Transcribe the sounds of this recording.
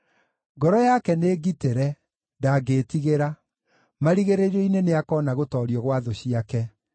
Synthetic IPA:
ɡɔɾɔjakɛneːɡiteɾɛ | ndaɡetiɣeɾa | maɾiɣeɾeɾɔineneakɔnaɣotɔːɾiɔɣwaðoɕiakɛ

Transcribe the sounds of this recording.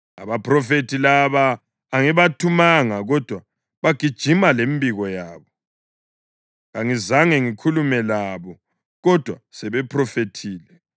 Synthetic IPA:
a̰βaprɔfetʰilaβaː | ŋiβatʰumaŋaɣɔd̥ʱwa | βaɡ̥ʱid̥ʒ̥ʱimalembʱiɣɔjaːβɔ | ɣaŋizaŋɛŋikʰulumɛlaβɔ | ɣɔd̥ʱwasɛβɛpʰrɔfetʰiːlɛ

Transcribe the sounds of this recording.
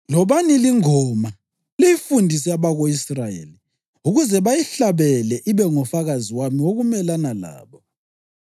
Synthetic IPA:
lɔβaniliŋɔma | lijifundʱis̬ɛaβaɣoisrajḛli | uɣuzɛβajiɬaβɛlɛʔiβɛŋɔfaɣaziwamiwoɣumɛlanala̰ːβɔ

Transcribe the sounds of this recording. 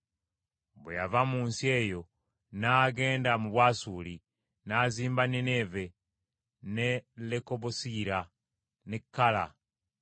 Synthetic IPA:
beja̰vamuːnsie̞jo̞ | naɡe̞ːndamuβwaːsuli | naziːmbaneneve | nelekoβosiɾa | nekːala̰

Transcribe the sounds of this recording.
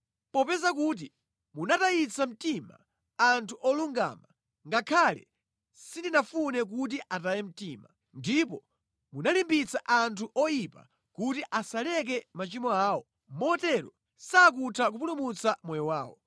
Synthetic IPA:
pɔpɛzak̬uːt̬i | munatajit͡sam̩tima̰ | antʰuʔɔluŋɡa̰ːma | ŋɡakʰalɛ̰ | sindinafunɛk̬ut̬iʔatajɛm̩tiːma | ndipɔ | munalimbit͡saʔantʰuʔɔjipa̰ | kutiʔasalɛk̬ɛmat͡ʃimɔaːwɔ | mɔtɛɾɔ | sak̬utʰak̬up̬ulumut͡samɔjɔwaːwɔ̰

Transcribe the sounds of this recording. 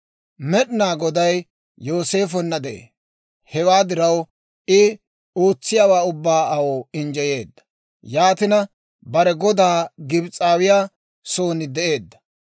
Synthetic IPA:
mɛɗɪnaːɡɔd̪ɐj | jo̞ːse̞ːfɔnːɐd̪ɛʔḛː | hɛwaːd̪ɪɾɐw | ɪ | oːt͡sːɪjaːwaːʊbːaːɐwoːɪnd͡ʒɛje̞ːd̪ːɐ̥ | jaːt̪ɪnɐ | bɐɾɛɡɔd̪aːɡɪbt͡sʼaːwɪjaː | so̞ːnɪd̪ɛʔeːd̪ːɐ̥

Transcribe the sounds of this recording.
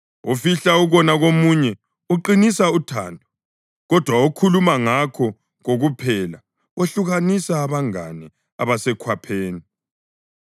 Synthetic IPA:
ufiɬauɣɔnaɣomuɲɛ | uǃinisautʰa̰ːndʱɔ̥ | ɣɔd̥ʱwaukʰulumaŋakʰɔ | ɣoɣupʰɛla | oɬuɣanisaːβaŋa̰nɛ | a̰βasɛkʰwapʰeːni

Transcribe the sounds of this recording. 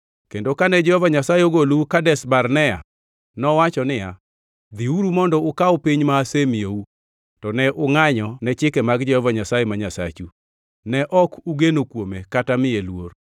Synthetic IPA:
kendokanɛd͡ʒɛhɔvaɲasajeoɡoluukadɛsbarnɛa̰ | nɔwat͡ʃɔnɪja | d̪iuɾumɔndɔʊkaɔpiɲmaːsemiou | tɔnɛʔʊŋaɲɔnɛt͡ʃɪkɛmaɡd͡ʒɛhɔvaɲasajemaɲasa̰t͡ʃu | nɛʔɔkʰuɡenokwomekatamɪelwor

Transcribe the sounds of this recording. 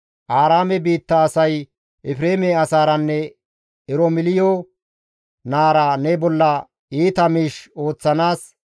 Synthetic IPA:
ʔaːɾaːmɛbiːt̪ːɐːsɐj | ʔɛfɾeːmeɐsaːɾɐnːɛ | ɪɾɔmɪlɪjoː | naːɾanɛbɔlːɐ | iːt̪ɐmiːʃo̞ːt͡sːɐnaːs

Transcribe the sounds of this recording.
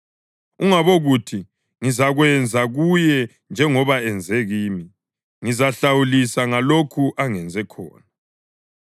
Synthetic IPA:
uŋaβoɣutʰi | ŋizaɣwɛnd͡zʱaɣujɛ | nd͡ʒʱɛŋɔβaɛnd͡zʱɛɣiːmi | ŋizaɬawulisaŋalokʰuʔaŋɛnd͡zʱɛkʰɔ̰ːna

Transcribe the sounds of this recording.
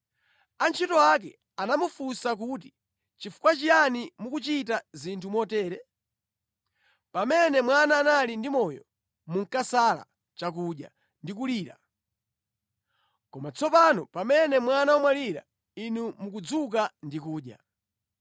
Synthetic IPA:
ant͡ʃʰitɔak̬ɛ̰ | anamufusak̬uti̥ | t͡ʃifu̥kwat͡ʃijanimukut͡ʃitazintʰumɔtɛːɾɛ | pamɛnɛmwanaːnalindimɔjɔ̰ | muŋ̩kasala̰ | t͡ʃak̬uɗja̰ | ndik̬uliːɾa̰ | kɔmat͡sʰɔpanɔpamɛnɛmwanawɔmwaliɾa̰ | inumuk̬ud͡zuk̬andikuːɗja̰

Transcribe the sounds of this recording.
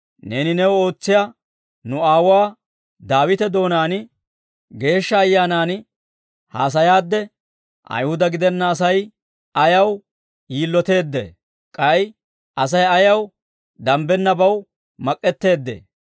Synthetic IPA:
ne̞ːnɪnɛwo̞ːt͡sːɪja | nʊaːwaː | d̪aːwɪt̪ɛd̪o̞ːnaːn | ɡe̞ːʃːɐːjːaːnaːn | ha̰ːs̬ɐjaːd̪ːɛ | ʔɐ̰jhʊd̪ɐɡɪd̪ɛnːɐːs̬ɐj | ɐjɐw | jiːlːɔt̪e̞ːd̪ːɛ̰ | kʼɐj | ʔɐs̬ɐjɐjɐw | d̪ɐmbɛnːɐbɐw | mɐkʼːɛt̪ːe̞ːd̪ːḛː

